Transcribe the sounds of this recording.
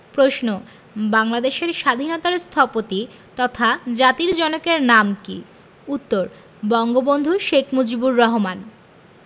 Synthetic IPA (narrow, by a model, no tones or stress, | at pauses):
pɾoʃno | baŋlad̪eʃeɾʃad̪ʱinɔt̪aɾst̪ʰɔpot̪i | t̪ɔt̪ʰad͡ʑat̪iɾd͡ʑɔnokeɾnamkḭ | ut̪ːoɾ | bɔŋɡobond̪ʱuʃekʰmud͡ʑibuɾːɔɦoman